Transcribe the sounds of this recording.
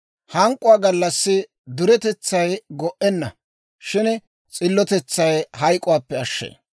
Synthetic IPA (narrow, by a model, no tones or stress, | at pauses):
hɐŋkʼːʊwaːɡɐlːɐsːɪ | d̪ʊɾɛt̪ɛt͡sːɐjɡɔʔɛnːɐ̰ | ʃɪn | t͡sʼɪlːɔt̪ɛt͡sːɐjhɐjkʼʊwaːpːɛɐʃːḛː